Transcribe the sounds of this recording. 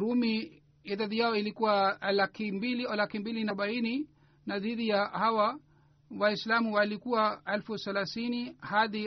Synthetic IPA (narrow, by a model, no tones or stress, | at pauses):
ɾumi | iðaðijaɔilikuwalakimbililakimbilinaɓaini | naðiðijahawa | waislamuwalikuwaalfuθɛlaθinihaði